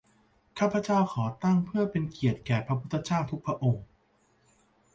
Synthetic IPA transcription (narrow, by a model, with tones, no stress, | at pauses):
kʰaː˥˩pʰːa˧˦t͡ɕa˥˩wxʰɔː˩˦t̪a˥˩ŋpʰɯ˥˩ɐpe˧nki˨˩ət̪̚kɛː˨˩pʰɾa˦˧pʰu˥t̪ʰːa˧t͡ɕaː˥˩wt̪ʰu˦˥k̚pʰɾa˦˥ʔo˧ŋ